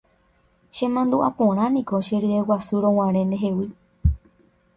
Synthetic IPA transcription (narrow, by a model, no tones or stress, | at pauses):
ʃẽmãnd̪uʔapõɾ̃ãnĩkoʃeɾɨewasuɾõw̃ãɾ̃ẽnd̪eɦe̞wi